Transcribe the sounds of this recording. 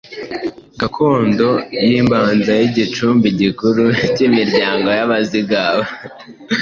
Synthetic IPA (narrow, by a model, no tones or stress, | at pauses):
ɡakʰo̞ːndo̞jiːmbaːnzajiɟit͡ʃuːmbiɟikuɾucimiɾɟaːŋɡo̞jaβaziɡaβa